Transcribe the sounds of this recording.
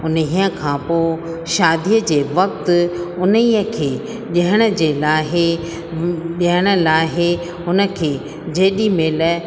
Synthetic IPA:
ʊniːə̃kʰãːpoː | ʃaːd̪ʱijəd͡ʑeːʋɐk̚t̪ʊʊniːəkʰeː | ɗiɦəɽ̃ə̆d͡ʑeːlaːɦe | ʄiɦəɽ̃ə̆laːɦe | ʊnə̆kʰeː | d͡ʑeːɗimɪl

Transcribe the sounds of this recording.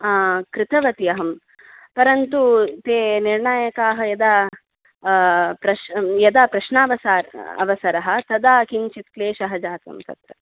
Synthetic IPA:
kɾɪt̪ɐʋɐt̪ijɐɦɐm | pɐɾɐnt̪ut̪eːniɾɳaːjɐkaːɦɐ̆jɐd̪a | pɾɐʃjɐd̪apɾɐʃɳaːʋɐsaːɾɐ̰ʋɐsɐɾɐɦɐ̆t̪ɐd̪aːkiɲt͡ʃit̪̚kleːʃɐɦɐd͡ʒaːt̪ɐ̰mt̪ɐ̰t̪ɾɐ

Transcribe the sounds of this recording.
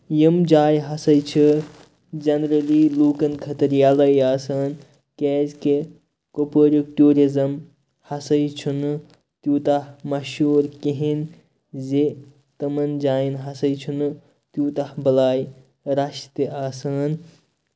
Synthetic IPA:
jimd͡ʒaːjɦɐsɐjt͡ʃʰɨ | d͡ʒɐnɾɐliluːkɐnkʰɐt̪ɐɾjaːlɐjaːsaːn | kɛːzke | kopəɾuk̚ʈuːɾizɐm | hɐsɐjt͡ʃʰunɨ | t̪juːt̪ahmɐʃuːɾkiɦin | ze | t̪ɐmɐnd͡ʒaːjinɦɐsɐjt͡ʃʰunɨ | t̪juːt̪ahbɐlaːj | ɾaʃt̪eaːsɐːn

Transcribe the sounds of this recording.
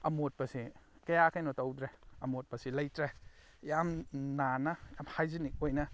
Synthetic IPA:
ɐmot̚pɐsikɐjakʰajnotɐwdɾeɐmot̚pɐsilɐjtɾe | jamnanɐjamhajzinik̚ojnɐ

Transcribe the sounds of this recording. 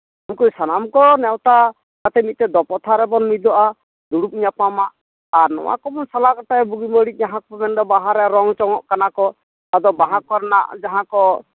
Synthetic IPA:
amkujsanamkɔnɛwt̪a | k̪at̪ɛmit̪̚t̪ɛd̪ɔpɔt̪ʰaɾɛbɔnmid̪ɔʔa | d̪uɽup̚iɲapamaʔ | aɾnɔ̰wa̰kɔmɔnsalakɔʈajbuɡiməɽic̚ɲaɦakɔpɔmɛnd̪ɔbaɦaɾɛɾɔŋt͡ʃɔŋɔʔkanakɔ | ad̪ɔbaɦakɔɾna̰ʔd͡ʒaɦãkɔ

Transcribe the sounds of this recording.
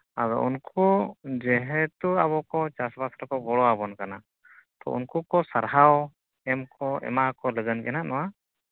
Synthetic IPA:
ad̪ɔ̰ʔunkɔd͡ʒɛɦɛt̪uaβɔkɔt͡ʃasbasɾkɔbɔɽɔabɔnkana | t̪ɔ̰ṵnkukɔsaɾɦaw | ɛmkʰɔɛ̰makɔləɡənkɛnaʔnɔwa

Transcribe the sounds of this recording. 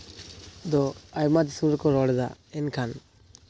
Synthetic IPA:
d̪ɔajmad͡ʒisumɾɛkɔɾɔɽɛd̪a̰ɛnkʰan

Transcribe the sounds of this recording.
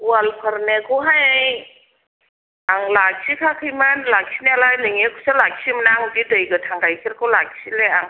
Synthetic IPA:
wwalpʰəɾnekʰɔwɦajaj | aŋlak̚sikʰakʰɯjmanlak̚sʰinelajnɯŋekʰusalak̚simanaːŋbidəjɡɯtʰaŋɾajkʰiɾkʰawlak̚sileaŋ

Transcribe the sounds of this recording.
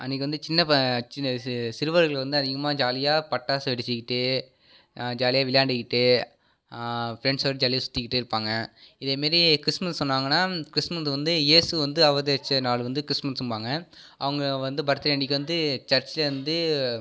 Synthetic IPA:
ɐnːɪk̬ːɯʋɐnd̪ɯt͡ʃɪnːɐ | sɪɾɯʋɐɾɣɐɭʋɐnd̪ɯɐðɪɣɐmaːd͡ʒaːlɪjaːpɐʈːaːsʋɛɽɪt͡ʃːɪkːɪʈːɯ | d͡ʒaːlɪjaːʋɪljaːɳɖɪkːɪʈːɯ | fɪɾɛɳɖsoːɾɯd͡ʒaːlɪjasʊ̥t̪ːɪkːɪʈːɯɪɾɯpːaːŋɡɐɪðeːmaːɾikɪɾɪsmɐssɔnːaːŋɡɐnːaːkɾɪsmɐsʋɐnd̪ɯjeːsɯʋɐnd̪ɯɐʋɐðeːt͡ʃːɐnaːɭɯʋɐnd̪ɯkɾɪsmɐnsʊmbaːŋɡɐɐ̰ʋɐŋɡɐʋɐnd̪ɯbɐɾt̪ːɐleːɳɖɪkːʋɐnd̪ɯt͡ʃɐɾt͡ʃɪlɐʋɐnd̪ɯ

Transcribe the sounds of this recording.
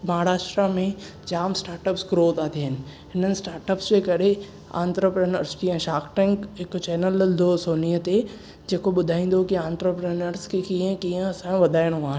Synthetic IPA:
mɐɦaːɾaːʃʈɾamẽ | d͡ʑaːmsʈaːɾʈəpsɡɾoːt̪aːt̪ʰiɦɪnɪ̆ɦɪnənɪ̆sʈaːɾʈəpsd͡ʑekɐɾe | ã̰ːnt̪ɾəpɾeːnəɾskiə̃ʃaːkʈẽŋkɦɪkt͡ɕɛːnəld̪osoːnijət̪e | d͡ʑeːkoɓʊd̪ʱaːĩːn̆d̪okiãːnt̪ɾəpɾeːnəɾskikiə̃kiːə̃ɐsãʋɐd̪ʱaːɪɽ̃oaːɦɪ̃n

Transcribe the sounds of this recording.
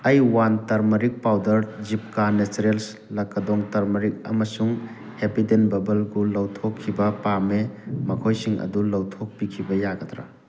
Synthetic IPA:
ɐjwantaɾmɐɾik̚pawdɐɾd͡ʒip̚kanesɾels | lɐkːɐdɔŋtɐɾmɐɾik̚ɐ̰mɐsuŋ | hepidenbɐbɐlɡulɐwtʰokʰːibɐpamemɐkʰojsiŋɐ̰dulɐwtʰok̚pikʰibɐjaɡɐt̪ɾa̰

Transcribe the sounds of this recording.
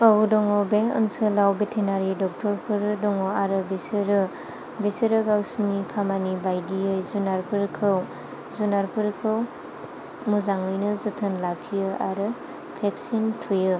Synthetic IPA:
ədɔŋɔbeɯ̰nsɯlawbetʰenaɾidɔk̚tʰɔɾpʰɯɾdɔŋɔaɾɯbisɯɾɯ | bisɯɾɯɡawsinikʰamanibajdiɯjzunaɾpʰɯɾkʰɯw | zunaɾpʰɯɾkʰɯw | muzaŋɯjnɯzɯtʰɯnlakʰːijɯa̰ɾɯ | pʰeksintʰujɯ

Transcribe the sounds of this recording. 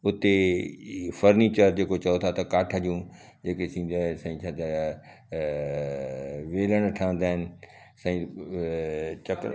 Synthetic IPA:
ʊt̪e | fəɾniːt͡ɕəɾd͡ʑeːkot͡ɕɐjot̪ʰat̪ɐkaːʈʰəd͡ʑũ | d͡ʑeːkesĩːn̆d̪ãːsãːĩt͡ʃʰaːd̪a | ʋeːləɽ̃ʈʰaːə̃nd̪aːɦɪnɪ̆ | sãĩ | t͡ɕɐk

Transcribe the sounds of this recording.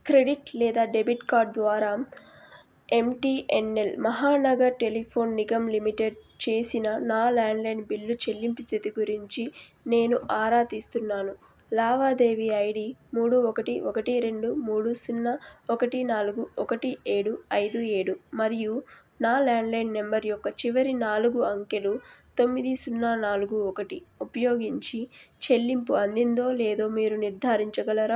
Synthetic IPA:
kɾe̞ɽiʈlɛːd̪aːɖebiʈkaːɾɖ̚d̪ʋaːɾaː | e̞mʈiːʔenːelmɐɦaːnɐɡɐɾʈe̞lipʰo̞ːnːiɡɐmlimiʈeɖt͡ʃe̞ːsinɐnaːlaːɳɖlɐjnɖbilːut͡ʃe̞lːimpist̪ʰit̪iɡuɾiɲt͡ʃi | ne̞ːnuʔaːɾaːt̪ist̪unːaːnu | laːʋaːd̪e̞ːʋiɐjɽimuːɽuɔkɐʈiɔkɐʈiɾe̞ɳɖumuːɽusunːaɔkɐʈinaːluɡuɔkɐʈie̞ːɽuɐjd̪ueːɽumɐɾiju | naːlaːɳɖlɐjnɖne̞mbɐɾjɔkːɐt͡ʃiʋɐɾinaːluɡuɐŋkelut̪o̞mːid̪isunːaːnaːluɡuɔkɐʈiupɐjo̞ːɡiɲt͡ʃit͡ʃe̞lːimpuɐnd̪ind̪o̞ːleːd̪o̞ːmiːɾuniɾd̪ʱaːɾiɲt͡ʃɐɡɐlɐɾa

